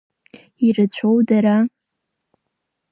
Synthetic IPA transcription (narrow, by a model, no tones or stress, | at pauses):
irɨt͡ɕʷʰowdaɾa